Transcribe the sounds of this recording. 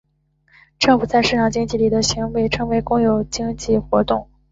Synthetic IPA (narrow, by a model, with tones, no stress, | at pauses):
ʈ͡ʂɤ˥˩ŋfu˨˩t͡sa˥˧ɪʂɻ̩˥˩ʈ͡ʂʰɑ˨˩ŋt͡ɕi˥ŋt͡ɕi˥˩li˨˩d̪ə˦ɕi˧˥ŋwe˧˥ɪʈ͡ʂʰɤ˧˥ŋwe˧˥ɪkʊ˥ŋjo˨˩ʊt͡ɕi˥ŋt͡ɕi˥˩xwɔ˧˥t̪ʊ˥˩ŋ